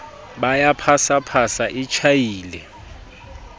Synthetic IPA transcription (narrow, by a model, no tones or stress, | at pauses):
ɓajapʰasapʰasaʔit͡ʃʰajiːlɛ